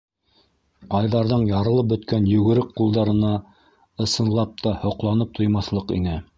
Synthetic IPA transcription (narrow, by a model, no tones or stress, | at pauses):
qɑjðɑɾðɤɴjɑɾɤ̆lˠɤp̚bɵ̆t̪kænjɵ̆ɡɘ̆ɾɘk̚qulˠd̪ɑɾɤ̆nɑ | ɤ̆sɤ̆nlˠɑp̚t̪ɑhŏqlˠɑnɤp̚t̪ʰŏjmɑθlˠɤqḭnɘ